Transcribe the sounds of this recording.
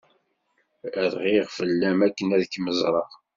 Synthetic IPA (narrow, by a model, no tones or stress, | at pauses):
æðʁiʁfəlːæmækːənæðəkːməzˤɾˤɑʁ